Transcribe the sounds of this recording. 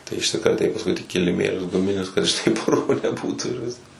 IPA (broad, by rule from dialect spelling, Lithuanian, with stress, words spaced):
tɐɪ ɪʃʲsʲɪkrɐˈtʲɛɪ pɐsˈkʊɪ tʲɪk kʲɪlʲɪˈmʲeːlʲʊs ɡʊˈmʲɪnʲʊs kɐt ˈʃtɐɪ ˈpʊrʋoː nʲɛˈbuːtʊ ɪr ˈʋʲɪsk